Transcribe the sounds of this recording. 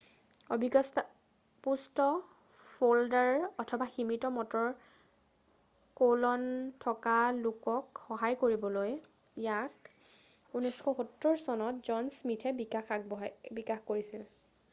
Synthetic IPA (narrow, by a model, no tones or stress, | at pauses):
obʱiɡɔst | pustɔ | foldaɹɔtʰɔbaximitɔmɔtɔɹ | kolɔntʰɔkalukɔkxɔɦajkoɹibɔloj | jak | unɔjskʰɔxutːoɹsɔnɔtzɔnsmitʰɛbikaxak̚bɔbikaxkoɹisil